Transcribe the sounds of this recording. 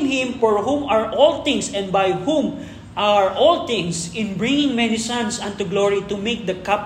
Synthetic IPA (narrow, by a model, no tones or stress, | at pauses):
ŋhɪ̃mfɔɹhũmaɹʔɔlt̪ɪ̃ŋsɛ̃nd̪̚bajhũm | ʔaɹʔɔlt̪ɪ̃ŋsɪ̃nbɹɪ̃ŋɪ̃ŋmɛnisãnsãnt̪uɡloɹit̪ʊmek̚d̪ɐkap